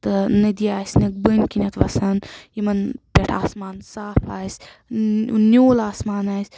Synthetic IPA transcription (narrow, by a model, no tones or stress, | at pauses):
t̪ɨnɨd̪iaːsʲnɐk̚bənkinʲɐt̪ʋɐsɐnjimɐnpʲeʈʰaːsmaːnsaːpʰaːsʲ | nʲoːlaːsmaːnaːsʲ